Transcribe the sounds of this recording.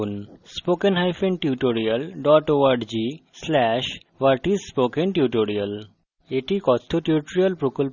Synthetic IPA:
nspokenɦajfʰeɳɖʈuʈoɾijəlɖɔʈoʋaɖd͡ʑislɛʃ | ʋaɾʈisspokenʈjuʈoɾiəl | eʈikɔst̪ʰoʈiuʈoɾiəlpɾokolp

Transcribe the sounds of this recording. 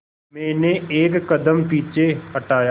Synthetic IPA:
mɛ̃ːneeːkːəd̪əmpiːt͡ʃeɦəʈaːjaː

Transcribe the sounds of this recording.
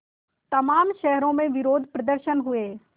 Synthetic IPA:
t̪ɐmaːmʃɛɦɾõmẽʋɪɾoːd̪ʱpɾɐd̪əɾʃənɦʊeː

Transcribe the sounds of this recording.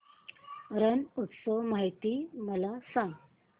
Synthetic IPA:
ɾənut̪sɔmaɦijt̪iːməlasãŋɡ

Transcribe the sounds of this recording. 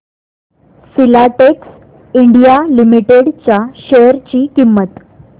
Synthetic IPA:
silaʈeks | iɳɖijalimiʈeɽt͡ɕaɕejəɾt͡ɕiːkimːət̪

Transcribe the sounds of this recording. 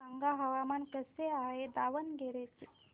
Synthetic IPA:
aŋɡaɦɐʋamankəseaɦed̪aːʋənɡeɾet͡ʃi

